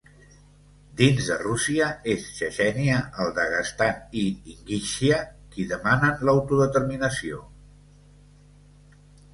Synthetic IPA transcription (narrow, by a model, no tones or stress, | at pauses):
d̪inzðərusiəesʃəʃɛniəʔəlˠd̪əɣəst̪aniiŋɡiʃiəkiðəmanənləwt̪uðət̪əɾminəsio